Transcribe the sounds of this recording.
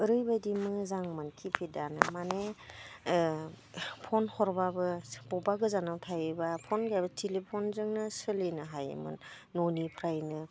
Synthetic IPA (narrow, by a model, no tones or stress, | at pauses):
ɯɾɯjbadimɯzaŋmankʰipʰidanɯmane | pʰɔnhɔɾbabɯbɔbaɡɯzanawtʰajɯbapʰɔnɡaabatʰelepʰonzɯŋnɯsɯlenɯɦajḛmɯ̰nː | onipʰɾajnɯ